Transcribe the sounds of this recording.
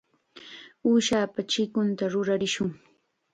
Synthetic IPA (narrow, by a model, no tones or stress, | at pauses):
uːʃaːpat͡ʃɪkʊnt̪aɾʊɾaɾɪʃʊŋ